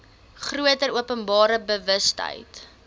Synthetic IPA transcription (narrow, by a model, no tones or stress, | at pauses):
χruətəɾuəpənbɑːɾəbəvəstə̰jt